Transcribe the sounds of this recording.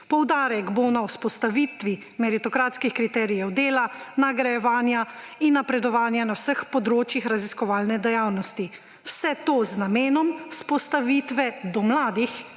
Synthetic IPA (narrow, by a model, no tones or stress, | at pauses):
pɔwd̪aːɾɛɡbonawspɔst̪aʋiːt̪ʋi | mɛɾit̪ɔkɾaːt̪skixkɾit̪ɛːɾijɛwd̪eːlanaɡɾajɛʋaːnjainːapɾɛd̪ɔʋaːnjanawsəxpɔd̪ɾoːt͡ʃjixɾaziskɔʋaːlnɛd̪ɛjawnɔst̪i | wsɛt̪oːznameːnɔmspɔst̪aʋiːt̪ʋɛd̪ɔmlaːd̪ix